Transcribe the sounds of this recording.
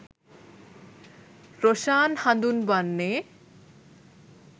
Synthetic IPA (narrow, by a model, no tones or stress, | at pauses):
ɾoʃaːnhãd̪unbanːe